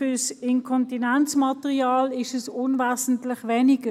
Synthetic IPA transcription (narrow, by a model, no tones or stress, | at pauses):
fʏɐsɪnkʰɔntinɛnt͡smɑtəʁiaːlɪʃɛsʊnvaːzn̩tlɪχʋɛniɡ̥ə